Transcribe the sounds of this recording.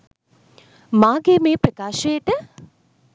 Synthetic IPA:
maːɡeːmeːpɾɐkaːʃəjəʈə

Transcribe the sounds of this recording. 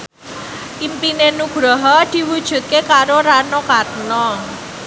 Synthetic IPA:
ʔimpinenuɡ̥ɾɔɦɔd̪̥i̤wud̥ʒ̥ṳt̪̚kekaɾoɾanɔkatnɔ

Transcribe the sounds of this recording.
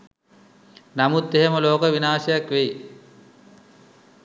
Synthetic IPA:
namut̪ːeɦeməloːkəʋinaːsejakʋej

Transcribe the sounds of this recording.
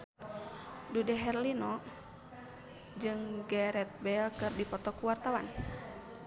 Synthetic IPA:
dudɛɦɛrlinɔ | d͡ʒɨŋɡɛɾɛt̪̚bɛlkɨrdipɔt̪ɔkuwart̪awan

